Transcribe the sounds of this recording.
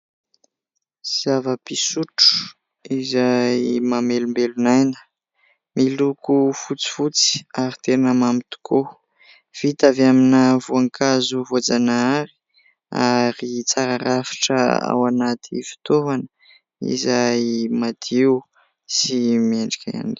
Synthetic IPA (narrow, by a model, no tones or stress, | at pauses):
z̥avəpisuʈ͡ʂu̥ | izajmamelumbelunajnə̥ | milukufut͡si̥fut͡si̥aɾit̪enəmamit̪u̥ko | v̥it̪avaminavuaŋkʰazuvod͡zanaaɾi̥ | a̰ɾit͡saɾaɾafi̥ʈ͡ʂə̰a̰wanat̪ʰifi̥t̪ovanə | ḭzajmad̪̥iw | simiaɳɖ͡ʐi̥kʲaa̰ni